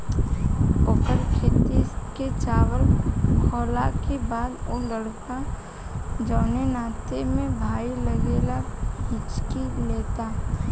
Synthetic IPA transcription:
okəɾkʰeːt̪iket͡ʃaːʋəlkʰɔːlakebaːd̪oləɽka | d͡ʒɔːnenaːt̪emẽbʱaːiləɡeːlaɪt͡ʃkileːt̪a

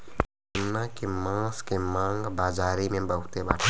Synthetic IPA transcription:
nːakemãskemãːŋɡbaːd͡ʒaːɾimẽbəɦʊt̪ebaːʈʰ

